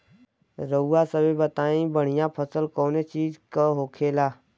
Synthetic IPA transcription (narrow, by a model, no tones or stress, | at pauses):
ɾəuːasəbebət̪aːĩbəɽ̤ijãpʰəsəlkɔːnet͡ʃiːd͡ʒkaɦoːkʰeːlaː